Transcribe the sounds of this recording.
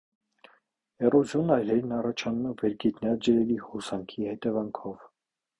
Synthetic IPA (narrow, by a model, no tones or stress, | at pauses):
ɛrɔzjɔnɑjlɛɾnɑrɑt͡ʃʰɑnumɛvɛɾɡit̪nɑd͡ʒəɾɛlihɔsɑŋkʰihɛt̪ɛvɑŋkʰɔv